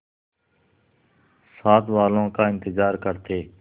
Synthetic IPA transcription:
saːt̪ʋaːlõːkaːɪ̃nt̪ɪzaːɾkəɾt̪eː

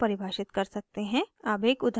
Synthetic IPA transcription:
pɐɾɪbʱaːʃɪt̪kɐɾsɐk̚t̪eɦɛ̃aːbeːkʊd̪ʱ

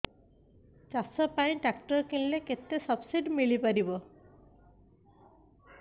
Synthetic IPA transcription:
t͡ʃasɔpaĩʈakʈɔɾkilleket̪esɔbsiɖmilipaɾibɔ

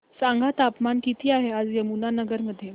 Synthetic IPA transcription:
saŋɡʱat̪apmankit̪ʰiːaɦead͡zjəmunanəɡəɾməd̪ʱːje

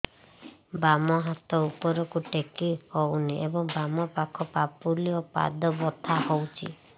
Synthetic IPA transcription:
bamɔɦat̪ɔupɔɾɔkuʈekihɔwniʔebɔŋbamɔpakʰɔpapuliɔpa̰d̪ɔbɔt̪ʰahɔwt͡ʃʰḭ

